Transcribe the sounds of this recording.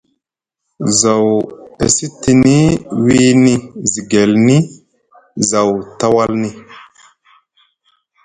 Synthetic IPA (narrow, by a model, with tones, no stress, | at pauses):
za˨wḛ˨si˦ti˨ni˦wi˦ni˦zi˨ɡe˨lni˦ | za˨wta˦wa˦lni˦